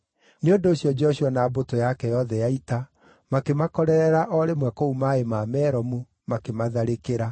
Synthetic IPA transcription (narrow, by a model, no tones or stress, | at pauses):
neondoːɕjɔd͡ʒɛɔɕwanabotojakɛjɔðɛjaita | makemakɔɾɛɾɛɾaʔɔɾemwɛkoumaemaːmɛːɾɔmu | makemaðaɾekeɾa